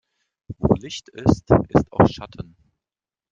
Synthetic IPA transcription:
vo̰ːlɪçtɪstʔɪstaʊxʃatʰən

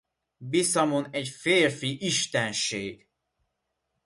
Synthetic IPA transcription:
bisɒmonɛɟfeːrfiʔiʃt̪ɛnʃeːɡ̥

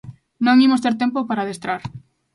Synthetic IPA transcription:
nõŋimost̪eɾt̪empopaɾaðest̪ɾaɾ

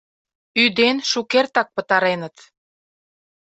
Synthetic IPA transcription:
yd̪enʃukert̪ɑk̚pə̆t̪ɑɾenət̪

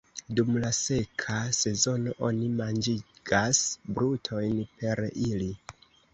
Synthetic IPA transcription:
dumlase̞kʰase̞zo̞no̞ʔo̞̰nimand͡ʒiɡ̥asbɾutʰo̞jnpe̞ɾili

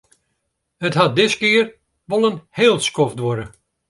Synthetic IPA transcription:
hətɦat̚dɪskɪər | ʋolˠənheːlˠskofdʋoɾə

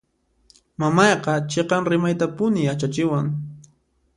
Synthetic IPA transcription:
mamɑjqɑt͡ʃeqɑŋɾɪmajt̪apʊnɪjat͡ʃat͡ʃɪwaŋ

